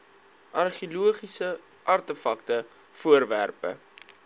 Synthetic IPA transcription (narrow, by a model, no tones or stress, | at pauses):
ʔɐrχiluəχisə | ʔɐrtəfɐk̚tə | fuərværpə̰